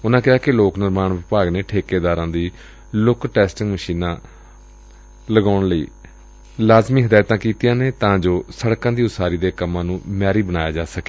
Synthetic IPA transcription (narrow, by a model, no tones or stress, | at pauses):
ʊnãːkɪɦaːkɪloːknɪɾmaːɳʋɪpaːɡneːʈʰeːkeːd̪aːɾãːd̪iː | lʊkʈɛːsʈɪŋɡməʃiːnãː | ləɡaːʊɳləḭː | laːzmiːɦəd̪aːjt̪ãːkiːt̪ɪjãːneːt̪ãːd͡ʒoːsəɽkãːd̪iːʊsaːɾiːd̪eːkəmːãːnũːmɛːɾiːbəñaːjaːd͡ʒaːsəkeː